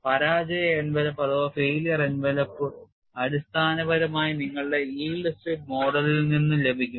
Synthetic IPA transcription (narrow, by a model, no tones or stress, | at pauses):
pɐɾaːd͡ʑɐjɐenʋelɐpːɐðoːfeːlijɐrenʋelɐpːɨ | ɐɽist̪ʰaːnɐʋɐɾɐmaːjiniŋːɐɭɨɽe̞iːɡlɐsʈriʈ̚mo̞ːɽɐlilninːumle̞bʱikʲːum